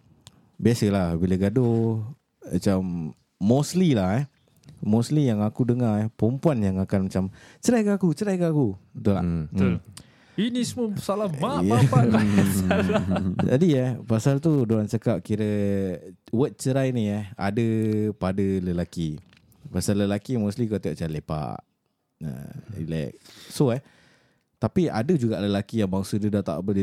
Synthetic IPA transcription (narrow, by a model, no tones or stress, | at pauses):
biasəlahbilaɡado | mat͡ʃamː | oslilahɛ | moslijaŋakudəŋaɛpəumpuanjaŋakanmat͡ʃamt͡ʃəɾajkaakut͡ʃəɾajkaakut̪ula̰ | inismusalaajaaa | d͡ʒadiapasalt̪̬udoɾant͡ʃəkap̚kiɾə | wət̪̚t͡ʃəɾajniəa̰dəpadələlaki | pasaləlakimuslikaʔt̪iaʔt͡ʃalepa̰ʔ | ə̰ḭlɛ̰k̚soɛh | t̪apia̰dəd͡ʒuɡaʔləlakijaŋbaŋsədədaʔt̪a̰ʔbəi